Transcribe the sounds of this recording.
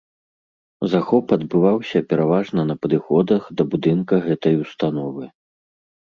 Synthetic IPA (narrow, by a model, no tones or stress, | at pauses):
zaxɔpɐd̪bɨvawsʲɐpʲɛɾavaʐnɐnɐpɐd̪ɨxɔd̪ɐxd̪ɐbud̪ɨnkɐɣɛt̪ɐjust̪anɔvɨ